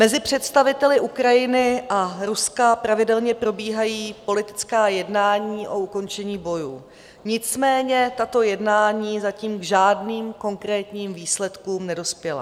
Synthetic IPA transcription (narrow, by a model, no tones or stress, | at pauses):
mɛzɪpr̝̥ɛt̪st̪avɪt̪ɛlɪʔukɾajɪnɪʔaɾuskapɾavɪdɛlɲɛpɾo̞biːɦajiːpo̞lɪt̪ɪ̥t͡skaːjɛdnaːɲiːʔo̞uko̞nt͡ʃɛɲiːbo̞juː | ɲɪt͡smɛːɲɛt̪at̪o̞jɛdnaːɲiːzaciːmɡʒaːdniːmko̞ŋkɾɛːt̪ɲiːmviːslɛt̪kuːmnɛdo̞spjɛla̰